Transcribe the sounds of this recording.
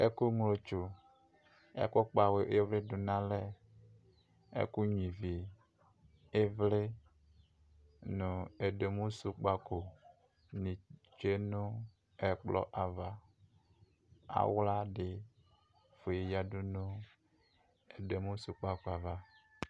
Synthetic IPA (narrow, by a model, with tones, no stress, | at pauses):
e˦ku˦ŋlo˨t͡ʃu˨ | ḛ˦kɔ˦k͡pa˨we˨ʔe˦vle˦do˨nã˦le˦ | ḛ˦ku˦ɲĩ˨vi˨ | e˦vle˦ | nũ˨e˨de˨mũ˦su˦k͡pa˦ko˨ | nĩ˨ | t͡ʃe˦nũ˦ | ɛ˨k͡plɔ̰˦˨ʔa˨va˨ | a̰˨wla˦ɖe˨ | fo˨je˨ja˨ɖu˦nũ˦ | e˨de˨mũ˦su˨k͡pa˦ko˨a˨va˨